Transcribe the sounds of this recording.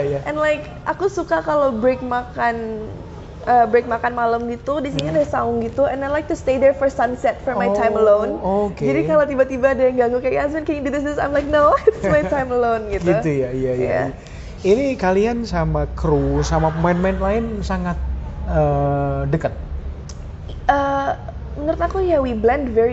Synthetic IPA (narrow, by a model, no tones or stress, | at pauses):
jaʔɛnlaɪk | ʔakusukakalowbɾek̚makan | ʔəːbɾek̚makanmaləmɡit̪udisinidɛhsaʊŋɡit̪uʔɛ̃najlajk̚t̪ust̪edɛrfɔrsansɛt̪̚fɔrmajtaj̃məlõwnoked͡ʒadikalat̪ibat̪ibaːdajaŋɡaŋɡukajas̬mɛnkẽdidɪs̬d̪ɪsa̰jmlajk̚nowɪtsmajtajməlonɡitɡ̪iujaijajja̰a | inikaliansamakɾusamapəmanmɛnlaɪnsaŋat̪̚ədəkət̪̚ | ə | mənəɾʊt̪akujawiblɛndvɛi